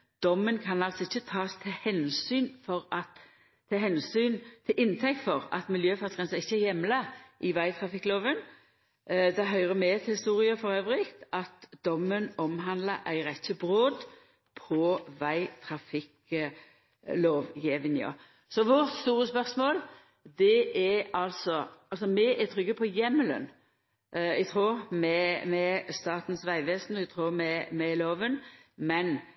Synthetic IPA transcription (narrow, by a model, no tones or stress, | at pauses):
d̪̥ɔmːənkʰɑnɑlsɔɪçːət̪ʰɑːst̪ʰɪlhɛnsyːnfɔɾɑt̪ʰː | ɑhɛnsyːnt̪ʰɪlʔɪnt̪ʰɛk̚t̪fɔʁɑ̰t̪mɪljøːfœt̪ʰʁɛnsəɪçːəæjɛmləʔɪʋæɪt̪ʰʁɑfɪkːloːʋən | d̪ɛɦœʏʁəmɛt̪ʰɪlhɪst̪uːʁɪəfɔɾøːʋʁɪkt̪ɑt̪d̪̥ɔmːənɔmɦɑnd̪ləʔæ̰ɪɾɛçəbɾoːd̪ | pʰɔʋæɪt̪ʰɾɑfɪk | loːʋjɛːʋənɪə̰ | sɔʋʊɾt̪st̪uːɾəspœʁsmoːl | d̪ɛɛɑlsɔʔɑlsɔmɛʔɛt̪ʰɾʏɡːəpʰɔjɛmːəlœ̰n | ʔɛɡt̪ʰʁuːɾmɛmɛst̪ɑːt̪n̩sʋæɪʋɛːsnɔɛɡt̪ʰɾuːʁmɛmɛloːʋənmɛn